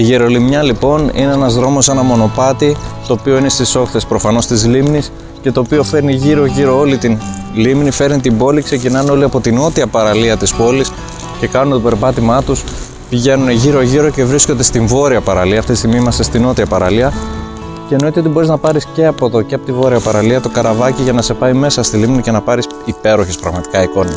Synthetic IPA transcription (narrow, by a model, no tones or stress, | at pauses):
iʝeɾo̞limɲɐlipo̞nḭne̞e̞nɐzðɾo̞mo̞se̞nɐmo̞no̞pɐt̪it̪o̞ːpio̞ine̞st̪iso̞kθe̞spɾo̞fɐno̞st̪izlimnis | ce̞t̪o̞ːpio̞fe̞ɾniʝiɾo̞ʝiɾo̞o̞lit̪in | limnife̞ɾnit̪imbo̞likse̞cinɐneo̞liɐpo̞t̪ino̞t̪iɐpɐɾɐliɐt̪ispo̞lis | ce̞kɐnunet̪ope̞ɾpɐt̪imɐt̪us | piʝe̞nuneʝiɾo̞ʝiɾo̞ce̞vɾiskond̪e̞st̪iɱvo̞ɾiɐpɐɾɐliɐːft̪it̪ist̪iɣmimɐsest̪ino̞t̪iɐpɐɾɐliɐ | ce̞eno̞it̪e̞ot̪ibo̞ɾiznɐpɐɾisce̞ɐpo̞ðo̞ceɐpo̞t̪ivo̞ɾiɐpɐɾɐliɐt̪o̞kɐɾɐvɐciʝɐnɐse̞pɐjme̞sɐst̪ilimnice̞nɐpɐɾis | ipe̞ɾo̞çespɾɐɣmɐt̪i̥kɐiko̞nɐ